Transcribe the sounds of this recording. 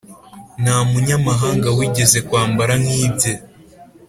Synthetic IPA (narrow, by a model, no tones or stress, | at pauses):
namuɲamaɦaːŋɡawiɟe̞ze̞kwaːmbaɾaŋhiːe